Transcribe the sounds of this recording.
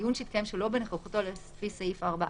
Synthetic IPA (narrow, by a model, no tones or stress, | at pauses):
junʃeit̚kajemʃelo̞beneχaχut̪olesfisejifaʁbaʔ